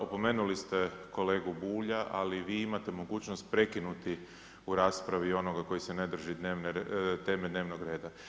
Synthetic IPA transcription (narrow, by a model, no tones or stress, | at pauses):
opo̞meːnulist̪eko̞le̞ːɡubuːʎaʔaliʋiːimat̪e̞mo̞ɡuːt͡ʃnost̪̚pɾe̞kinut̪i | uɾaːspɾaʋio̞no̞ɡako̞jisene̞d̪r̩ʒid̪neːʋnet̪e̞ːmed̪neʋnoɡɾe̞ːd̪a